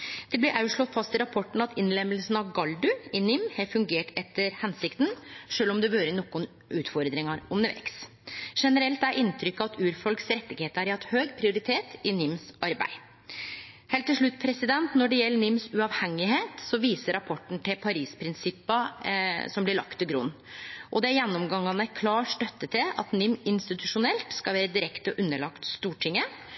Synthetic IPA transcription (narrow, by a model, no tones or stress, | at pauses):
d̪̥ɛblɪɾʔɑʉʂɭɔt̪fɑst̪ɪlɾɑpʰɔʈːɳ̩ɑt̪ʰɪnlɛmːəlsn̩ɑʋɡɑld̪ʉɪnɪmhɛfʉŋɡeːʈɛt̪ːəɾhɛnsɪkt̪n̩ʂøːlɔmd̪ɛʋøːɾənɔkːʊn | ʔʉːt̪fɔɾd̪ɾɪŋɑɾɔməʋɛ̰ks | ʂɛnəɾɛlt̪æɾʔɪnt̪ʰɾʏkːəɑt̪ʰʉːɾfɔlksɾɛt̪ːɪɡheːt̪æɾɪhɑt̪ːhøːɡpʰɾɪʊɾɪt̪ʰeːt̪ɪnɪmsʔɑɾbæ̰ɪ | heːlt̪ːɪlʂɭʉt̪ːpʰɾɛsɪd̪ɛnt̪nɔɖɛjɛlːəɳɪmsʉɑʋhɛŋːɪheːt̪sɔʋiːsəɾɑpʰɔʈːɳ̩t̪ʰɪlpʰɑɾiːspʰɾɪnsɪpːɑsɔmblɪɭɑ̰kt̪ːɪlɡɾʊnː | ʔɔd̪ɛæɾjɛnːɔmɡɑŋːɑnəækʰlɑːɾʂʈ̪œt̪ːət̪ʰɪlɑt̪nɪmɪnst̪ɪt̪ʉʂʊnɛlt̪skɑʋæːɾəd̪ɪɾɛkt̪əʔʉnːəɭɑkt̪st̪uːʈʰɪŋːə